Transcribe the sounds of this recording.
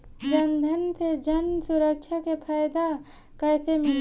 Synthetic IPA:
d͡ʒɐnd̪ʱənsed͡ʒənsʊɾəkʃʰakepʰaːjd̪a | kɛːsemɪl

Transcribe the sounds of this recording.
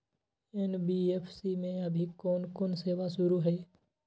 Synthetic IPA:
ɛnbiːeːpʰsimẽɐbʱikɔːnkoːnseːʋasʊɾuɦɛː

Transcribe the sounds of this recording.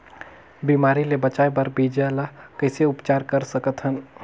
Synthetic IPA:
bimaːɾilebət͡ʃaːebəɾbid͡ʒɛlakəɪseʊpt͡ʃaːɾkəɾsəkət̪ɦən

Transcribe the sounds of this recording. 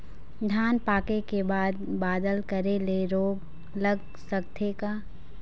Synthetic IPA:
ɖʱaːnpaːkekebaːd̪baːd̪əlkəɾeleɾoːɡ | ləɡ | sək̚t̪ʰekaː

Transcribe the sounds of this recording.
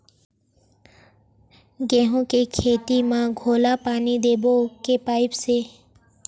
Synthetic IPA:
ɡɛːɦõkekʰeːt̪imãɡʱoːlapaːnid̪eːbokepaːɪpseː

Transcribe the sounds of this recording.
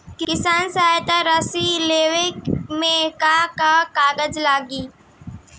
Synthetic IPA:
kɪkɪsaːnsɐɦaːjt̪aɾasileːʋɪkmẽkakakaːɡəd͡ʒlaːɡiː

